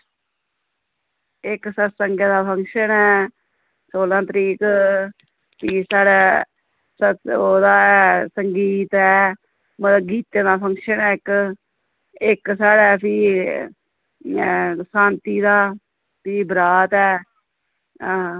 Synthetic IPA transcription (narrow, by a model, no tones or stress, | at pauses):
ɪksətsəŋɡeːd̪aːpʰə̃ŋkʃənɛː | soːlãːt̪əɾiːk | pʰiːsaːɽɛː | səoːd̪aːsəŋɡiːt̪ɦɛː | mət̪əbɡiːt̪ẽːd̪aːpʰə̃ŋkʃənɛːɪk | ɪksaːɽɛːpʰiː | sãːnt̪iːd̪aː | piːbɾaːt̪ɛː